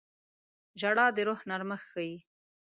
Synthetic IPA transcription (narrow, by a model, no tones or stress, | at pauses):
ʒaɽɑd̪əɾohnaɾməxːaji